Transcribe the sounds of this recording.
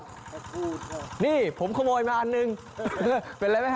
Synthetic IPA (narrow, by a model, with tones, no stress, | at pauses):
niː˧˩pʰo˩˦mkʰa˧moː˧jmaː˧ʔa˧nːɯ˧ŋ | pe˧nla˧˥jma˦˥jk